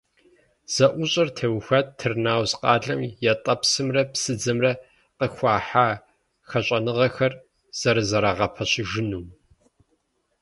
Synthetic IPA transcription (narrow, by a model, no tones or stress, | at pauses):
z̥ɐʔʷʊɕʼɐrtʰɐwxʷɐttʰːɨrnaːwzqʼɑːɮɐmjɛtʼɐpsɨmrɐpsɨd͡zɐmrɐ | qəxʷɑːħaː | xɐɕʼɐnɨʁɐxɐr | z̥ɐɾɨzɐɾaʁɐpʰɐɕɪʒɪnuːm